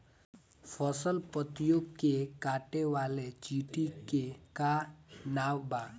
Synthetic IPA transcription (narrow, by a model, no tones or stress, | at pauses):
pʰɔsəlpət̪joɡkekaːʈeʋwaːlet͡ʃiːʈikekanaːwba